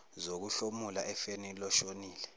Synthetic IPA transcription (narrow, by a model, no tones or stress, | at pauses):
zok̬uɬomulaʔɛfenilɔʃoniːlɛ